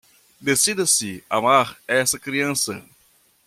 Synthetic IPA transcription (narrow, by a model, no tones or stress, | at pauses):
d̪esid̪ɐsɪa̰maɾɛsɐkɾiɐ̃sɐ̰